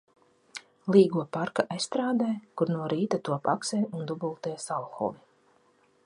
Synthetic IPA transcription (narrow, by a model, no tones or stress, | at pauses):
lˠiːɡuɔpaɾkaʔajsst̪ɾaːd̪ɛːjkuɾnuɔɾiːt̪at̪uɔpa̰ksɛːjund̪ubulˠt̪ɛjsalˠxɔ̰vi